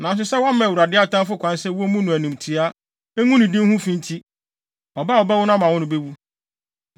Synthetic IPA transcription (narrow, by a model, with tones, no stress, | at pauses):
nã˨n˨s̬ʊ˨sɛ˦wã˦m˦ɛ̃˨wu˨ɾa˨dɪ˦a˦tã˦fʊ˦kʷʰã˨n˦sɛ˦wu˦o˦mũ˦nʊ̃˨æ˨nĩ˨mtʰi˨a˦ | e˦ŋũ˦nĩ˨dɪ̃˦n˦hũ˦fĩ˦n˦tʰi˦ | ɔ˨ba˦ɔ˨ba˦wʊ˦nã˦mã˨wʊ̃˦nʊ̃˨be˦wu˦